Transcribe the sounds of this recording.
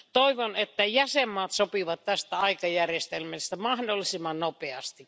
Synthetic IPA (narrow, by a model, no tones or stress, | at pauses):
t̪oiʋonet̪ːæjæsemːɑːt̪sopiʋɑt̪t̪æst̪æɑikɑjærjest̪elmest̪æmɑhdolːisimːɑnnopeɑst̪ik